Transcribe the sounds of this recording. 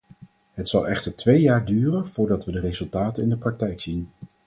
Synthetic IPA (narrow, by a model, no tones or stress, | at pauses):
ɦətsɑlˠɛχtəɹtʋejaːɹdyːrənv̥ʊːɹdɑtʋədərezɵlˠtaːtənɪndəprɑk̚tɛjksin